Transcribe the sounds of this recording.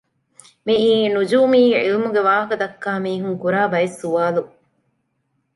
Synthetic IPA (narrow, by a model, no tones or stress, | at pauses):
miiːnud͡ʒuːmiːḭlimuɡeʋaːɦɐkɐd̪ɐkːaːmiːɦuŋkuɾaːbɐjesːuʋaːlu